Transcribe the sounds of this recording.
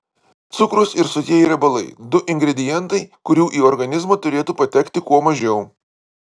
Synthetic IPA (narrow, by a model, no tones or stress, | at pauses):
t̪sʊkɾʊsɪɾsʊt̪ʲiɛiɾɐbɐlˠɐɪd̪ʊʔɪŋʲɡɾʲɛd̪ʲɪjɛnˑt̪ɐɪkʊɾʲuːʔiːɔɾɡɐnʲɪzmoːt̪ʊɾʲeːt̪uːpɐt̪ʲɛkt̪ʲɪkuɔmɐʒʲɛʊ